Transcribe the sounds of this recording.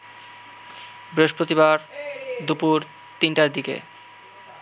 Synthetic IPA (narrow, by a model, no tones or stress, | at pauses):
bɾeʃpɾot̪iβaɾd̪upuɾ | t̪inʈaɾd̪ikḛ